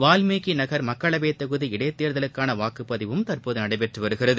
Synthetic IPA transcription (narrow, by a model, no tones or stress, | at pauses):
ʋaːlmeːɣinɐɣɐɾmɐkːɐɭɐʋeːt̪ːɐɣɯðiɪɽɐjt̪ːeːɾðɐlɯkːaːnɐʋaːkɯpːɐðɪʋɯmt̪ɐɾpoːðɯnɐɽɐɪpɛʈrɯʋɐɾɯɣɪrɐðɯ